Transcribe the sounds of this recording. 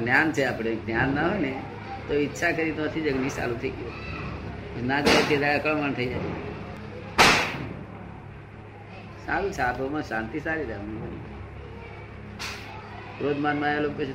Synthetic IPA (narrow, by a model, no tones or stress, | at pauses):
njaːnt͡ʃʰeaːpɽenjaːnːaɦoene | t̪oɪtːʃʰakəɾit̪oət̪ʰid͡ʒəɡnisa̰lut̪ʰəio | pəsnaːd͡ʒaet̪ed̪aakəɭmant̪ʰəid͡ʒaːj | saːlut͡ʃʰaːt̪omãʃãːnt̪iːsaːɾiːɾemnĩbənḭ | ɾoːd̪mãːnmãːeloːkːot͡ʃʰ